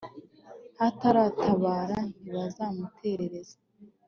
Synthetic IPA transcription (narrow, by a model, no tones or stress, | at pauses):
ataɾatʰaβaːɾaniβazamutʰe̞ɾe̞ɾe̞zḁ